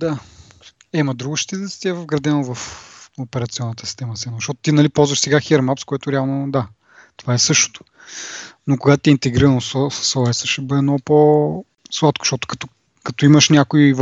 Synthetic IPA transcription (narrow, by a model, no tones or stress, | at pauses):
d̪a | ɛmɐd̪ɾuɡʊʃt̪it̪ɛt̪sɛ̥t̪ʲiɛvɐvɡɾɐd̪ɛnovɐfopɛɾɐt̪siɔnːət̪əsi̥st̪ɛmɐst̪ɛməzɐʃtɔt̪ʊ̥t̪inɐlipɔlˠzvɐʃsɛɡaxiɛɾmapskoɛt̪ʊɾɛalˠnod̪a | t̪ovaɛsɤʃt̪o̥t̪o̥ | nokʊɡat̪t̪ɛint̪ɛɡɾiɾənossɔɛsəʃɛbɤd̪ɛnɔpo | slˠat̪kʊ̥ʃt̪ɔt̪ʊ̥kɐ̥t̪o | kɐt̪oimɐʃnʲakoiv